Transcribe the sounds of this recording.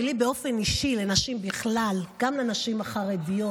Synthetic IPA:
libeo̞feniʃile̞naʃimbiχlalɡamlenaʃimaχaʁedijo

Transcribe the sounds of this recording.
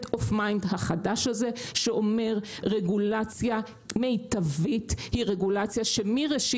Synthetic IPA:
tofmajndɦaχadaʃhaze̞ʃeʔo̞me̞ʁʁe̞ɡulat͡sja | me̞jtavithiʁeɡulat͡sjaʃemiʁeʃi

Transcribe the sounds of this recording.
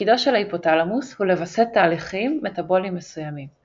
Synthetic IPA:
idoʃelaipo̞talamushule̞vaset̪ːaːliχimːetabo̞limːesujamim

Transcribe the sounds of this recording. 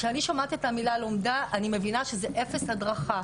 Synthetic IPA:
ʃeaniʃomat̪iet̪amilaleomdaʔanimevinaʃe̞zeʔe̞fe̞shadʁaχa

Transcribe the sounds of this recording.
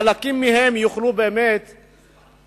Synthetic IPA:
alakimːihemjuχlubeːmet̪

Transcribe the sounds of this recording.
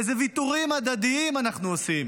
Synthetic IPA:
ezevit̪uʁimad̪ad̪iimanaχnuosim

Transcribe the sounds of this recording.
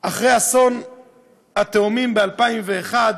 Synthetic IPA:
ʔaχʁejhason | hat̪eumimbealpaimveːχad̪

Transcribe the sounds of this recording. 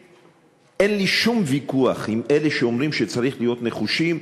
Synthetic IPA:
ʔenliʃumvikuaχimʔe̞leʃeomʁimʃet͡saʁiχlijo̞t̪ne̞χuʃim

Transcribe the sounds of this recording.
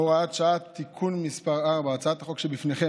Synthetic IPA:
oʁaat̪ʃaat̪ːikʰunmispaʁaʁbaːt͡saat̪haχokʃebifneχe

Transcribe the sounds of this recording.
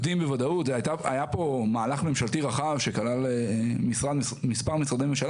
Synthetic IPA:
d̪imbevad̪aut̪vajt̪aa̰japo̞maːlaχme̞mʃalt̪iʁaχavʃekalalemisʁad̪ | mispaʁmisʁad̪ejmemʃal

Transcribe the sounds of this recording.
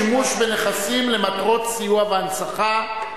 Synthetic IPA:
imuʃbe̞neχasimle̞mat̪ʁo̞t̪sijuaveansaχa

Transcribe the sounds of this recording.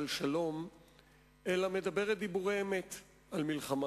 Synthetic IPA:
lʃalo̞m | elame̞d̪abe̞ʁet̪̚d̪ibuʁejeme̞t̪ | almilχama

